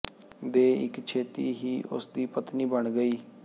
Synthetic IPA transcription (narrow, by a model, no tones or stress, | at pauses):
d̪eːɪ̰kt͡ʃʰeːt̪iːɦiːʔʊ̰sd̪iːpət̪niːbəɳɡəiː